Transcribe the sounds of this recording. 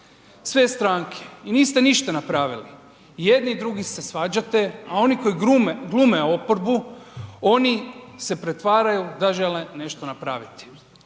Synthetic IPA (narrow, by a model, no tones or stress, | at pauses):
sʋe̞st̪ɾaːŋkʰe̥iniːst̪e̞niʃt̪anapɾaːʋili | jed̪niːd̪ɾuɡise̞sʋaːd͡ʑat̪e̞ao̞niko̞jiɡlˠumeo̞po̞ɾbuo̞nise̞pɾet̪ʋaːɾajud̪aʒe̞lene̞ʃt̪o̞napɾaːʋit̪i̥